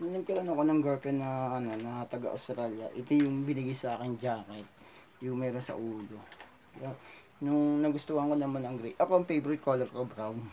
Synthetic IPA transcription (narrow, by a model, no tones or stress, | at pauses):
nʊnɐɡkɪɾanɐkonɐŋɡɐɹpɛnɐʔɐno̞nɐt̪ɐɡa̰ʔɐ̰wst̪ɾaːljɐ̰ʔɪt̪ojʊŋbɪnɪɡajsɐʔaːkɪnd͡ʒaːkɛt̪̚ | jʊŋmɛːɾonsɐ̰ʔuːlo̞ | kɐja | nʊŋnɐɡʊst̪ohɐŋkonɐmanɐŋɡɾejʔɐkoʔɐŋfejbɾɪt̪̚kʰolɛɾkobɾawn